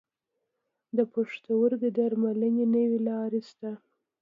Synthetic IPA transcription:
d̪əpoʂt̪awəɾd̪əd̪aɾmalənenəwelɑɾest̪a

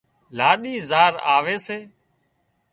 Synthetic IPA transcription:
laːɗiːzaːɾa̰ːʋeːseː

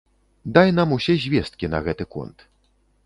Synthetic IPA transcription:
d̪ajnamusʲɛzʲvʲɛst̪̚kʲinɐ̰ɣɛt̪ɨkṵnt̪

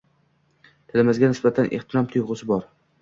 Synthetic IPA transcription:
t̪ʰɪlɪmɪzɡʲanɪsbat̪ʰanʔeht̪ʰɪɾɒmt̪ʰʊjʁʊsɪbɒɾ

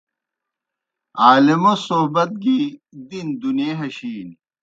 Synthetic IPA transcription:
aːlimosoɦbɐt̪̚ɡid̪ind̪uneːɦɐɕiːn

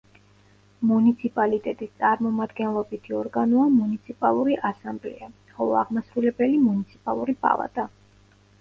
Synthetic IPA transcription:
munit̪sʰipʼalit̪ʼɛt̪ʼist̪sʼaɾmɔmad̪ɡɛnlˠɔbit̪ʰiɔɾɡanɔamunit̪sʰipʼalˠuɾiʔasamblɛ̰a | χɔlˠɔaʁmasɾulɛbɛlimunit̪sʰi̥pʼalˠuɾibʼa̰lˠa̰d̪ʼa

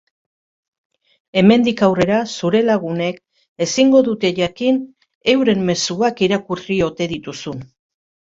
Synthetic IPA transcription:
e̞me̞nd̪ikawre̞ɾasuɾe̞laɣ̞une̞k̚ | e̞siŋɡo̞ðut̪e̞ʝakin | e̞wɾe̞mːe̞suakiɾakurio̞t̪e̞ðit̪usun

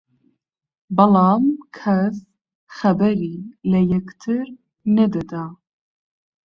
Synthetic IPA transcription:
bɐlɑːmkʰɛs | xɛbɛɾiːlɛjɛkt̪ʰɨɾ | nɛd̪ɛd̪aː

